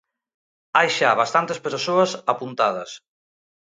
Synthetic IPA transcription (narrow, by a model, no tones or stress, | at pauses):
ajʃaβast̪ant̪espeɾsoɐsapunt̪að̞ɐ̰s